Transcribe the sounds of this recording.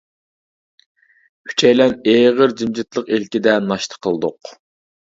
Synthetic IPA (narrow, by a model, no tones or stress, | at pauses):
kʲʰy̥t͡ʃʰɛjlɛneːʁəɾd͡ʒimd͡ʒɪt̪lˠəqelkʲid̪ɛnɑʃt̪ʰə̥qʰːəlˠd̪ʊq